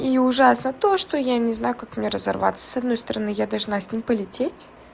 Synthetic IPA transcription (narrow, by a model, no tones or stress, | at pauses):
iʊʐasnət̪o̞ʂt̪o̞janʲɪznajʊkakmnʲeɾəzɐ̰rva̰t̪sə̥sɐd̪no̞jst̪əɾɐnɨjad̪ɐlˠʐnasʲnʲimʲpəlʲɪtʲetʲ